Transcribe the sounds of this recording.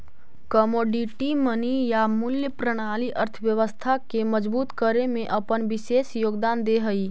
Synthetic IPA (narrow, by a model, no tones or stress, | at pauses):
kəmoːɖiʈimənijamʊljəpɾəɽ̃aːliʔəɾt̪ʰəʋjəʋəst̪ʰakemɐd͡ʒbuːt̪kəɾemẽʔɐpənʋɪʃeːsjoːɡd̪aːnd̪eɦɐiː